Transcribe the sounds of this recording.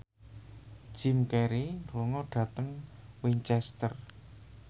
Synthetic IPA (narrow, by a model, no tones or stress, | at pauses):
ʒ̥ɪmkɛɾinruŋɔɖ̥ä̤t̪əŋwiɲt͡ʃɛst̪ər